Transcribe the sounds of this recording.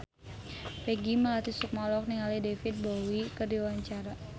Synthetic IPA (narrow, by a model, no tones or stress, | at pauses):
peɡiməlat̪isuk̚mɔlɔk̚niŋalidefɪt̪̚bowikərdiwaɲt͡ʃaɾa